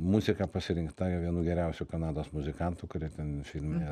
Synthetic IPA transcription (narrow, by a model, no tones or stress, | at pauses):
muzʲɪkɑːpɐsʲɪɾʲɪŋkt̪ɐjʋʲiɛnuːɡʲɛɾʲɛʊsʲʊkɐnɑːd̪oːsmʊzʲɪkɐnt̪ʊkʊɾʲiɛt̪ʲɛnfʲɪlʲmʲɪnʲeː